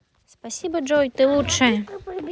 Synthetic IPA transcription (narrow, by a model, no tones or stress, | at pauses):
spasʲibɐʐɔjt̪ɨlˠut͡ʂɐjɐ